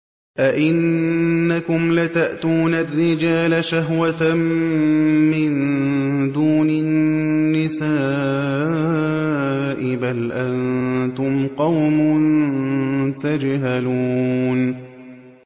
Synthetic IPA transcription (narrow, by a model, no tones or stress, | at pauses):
ʔaʔɪnːakʊmlat̪aʔt̪uːnarːɪd͡ʒaːlaʃaɦwa | mɪn | d̪uːnɪnːɪsaː | ʔɪbalʔant̪ʊmqɑwmʊn | t̪ad͡ʒɦaluːn